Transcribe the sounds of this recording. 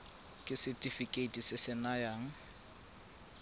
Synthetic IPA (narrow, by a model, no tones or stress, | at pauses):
kʼɪsɪtʼifikʼeitʼisɪsɪnajaːŋ̩